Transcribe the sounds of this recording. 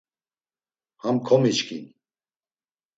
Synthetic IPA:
hamkʰɔmit͡ʃkʰḭn

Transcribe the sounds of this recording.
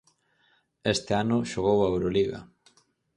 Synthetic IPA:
est̪ɪanʊʃoɣ̞owaewɾoliɣɐ̰

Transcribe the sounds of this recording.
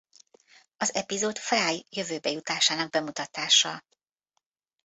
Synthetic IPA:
ɒzɛpizoːt̪faːjjø̞vøːbɛjut̪aːʃaːnɒɡ̚bɛmut̪ɒt̪aːʃɒ

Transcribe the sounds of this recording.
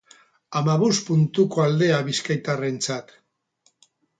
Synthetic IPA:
amaβospunt̪uko̞ald̪e̞aβiskajt̪are̞nt͡sat̪

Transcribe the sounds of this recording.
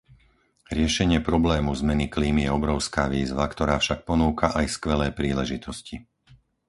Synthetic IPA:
ɾɪɛʃɛɲɪɛpɾɔblɛːmuzmɛnikliːmijɛɔbɾɔʊskaːʋiːzʋakt̪ɔɾaːfʃak̚pɔnuːkaʔajskʋɛlɛːpɾiːlɛʒit̪ɔsci

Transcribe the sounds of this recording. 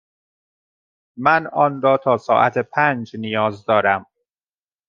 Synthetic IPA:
mænɒːnɾɒːt̪ʰɒːsɒːʔæt̪ʰepʰæːnd͡ʒnijɒːzd̪ɒːɾæm

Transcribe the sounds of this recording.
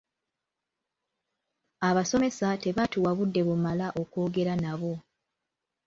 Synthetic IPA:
aβaso̞me̞sate̞βatuwaβudːe̞βumalaʔo̞ko̞ːɡe̞ɾanaβo̞

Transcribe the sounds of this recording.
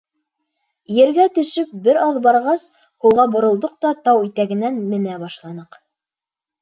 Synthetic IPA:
jɘ̆ɾɡæt̪ɘ̆ʃɘp̚bɘɾɑðbɑɾʁɑs | hulˠʁɑbŏɾŏlˠd̪oq̚t̪ɑt̪ɑwit̪æɡɘ̆nænmɘ̆næbɑʃlˠɑnɤq

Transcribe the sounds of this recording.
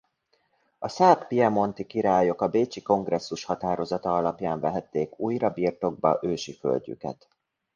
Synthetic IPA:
ɒsaːppiɛmo̞nt̪ikiɾaːjo̞kɒbeːt͡ʃiko̞ŋɡrɛsːuʃhɒt̪aːɾo̞zɒt̪ɒɒlɒpjaːɱvɛɦɛt̪ːeːkuːjɾɒbiːrt̪o̞ɡ̚bɒ̰ʔøːʃifø̰lɟy̰kɛ̰t̪

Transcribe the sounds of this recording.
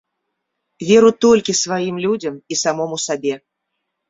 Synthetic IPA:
vʲɛɾut̪ɔlʲkʲisvajimlʲud͡zʲɐmisamɔmusabʲɛ

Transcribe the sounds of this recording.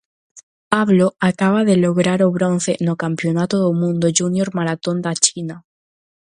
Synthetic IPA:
paβloakaβ̞aðeloɣɾaɾoβɾon̟θenokampjonat̪oðomũnd̪oʝunjoɾmaɾat̪ond̪at͡ʃina

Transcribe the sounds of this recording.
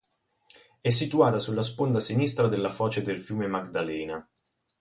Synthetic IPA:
ɛs̬ːit̪uaːt̪asulːaspond̪asinist̪ɾad̪elːafɔːt͡ʃed̪elfjuːmemaɡd̪alɛːna

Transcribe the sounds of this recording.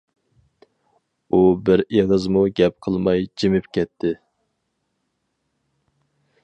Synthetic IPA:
ubɪɾeʁəzmuɡʲɛp̚qʰəlˠmɑjd͡ʒimɪpkʲɛt̪ʰːɪ

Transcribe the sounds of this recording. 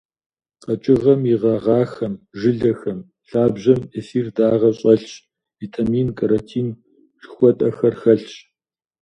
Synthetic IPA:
qɐt͡ʃʼɪʁɐmjiʁɐʁɑːxɐmʒɨɮɐxɐm | ɬaːbʑɐmesiːrdaːʁɐɕʼɐɬɕ | viːtʰamiːnkʰɐɾɐtʰiːn | ʒxʷɔtʼɐxɐrxɐɬɕ

